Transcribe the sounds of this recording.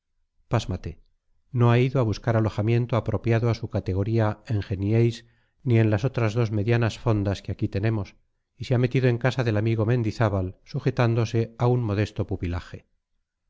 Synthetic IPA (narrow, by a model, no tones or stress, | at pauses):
pazmat̪e̞ | no̞aiðoaβuskaɾalo̞xamje̞nt̪oapɾo̞pjaðoasukat̪eɣ̞o̞ɾiaeŋxenjejs | nie̞nlaso̞t̪ɾazðo̞zme̞ðjanasfo̞nd̪askeakit̪e̞ne̞mo̞s | iseame̞t̪iðoe̞ŋkasaðe̞lamiɣo̞mẽ̞nd̪iθaβalsuxe̞t̪and̪o̞se̞aunmo̞ð̞e̞st̪o̞pupilaxe̞